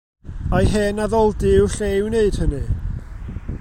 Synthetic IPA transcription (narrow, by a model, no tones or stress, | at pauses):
ajɦɛnaðɔlˠdɪwɬewneɨd̥hənɨ